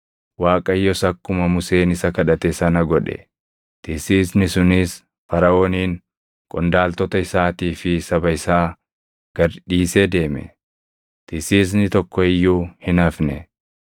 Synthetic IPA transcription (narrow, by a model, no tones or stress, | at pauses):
waːkʼɐjːɔsɐkːʊmɐmʊse̞ːnɪsɐkɐᶑɐt̪ɛsɐnɐɡɔᶑɛ̰ | t̪ɪsiːsnɪsʊnɪs | fɐɾɐo̞ːniːŋ | kʼɔnd̪aːlt̪ɔt̪ɐɪsaːt̪iːfɪsɐbɐɪsaː | ɡ̥ɐɾᶑiːsed̪e̞ːmɛ̰ | t̪ɪsiːs̬nɪt̪ɔkːɔɪjːuːhɪnɐfnɛ